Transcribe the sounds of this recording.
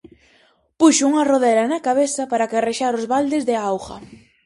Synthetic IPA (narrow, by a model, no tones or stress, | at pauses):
puʃʊuŋɐroðɛɾɐnɐkaβeθɐpaɾakareʃaɾozβald̪ɪzðɪawɣɐ̰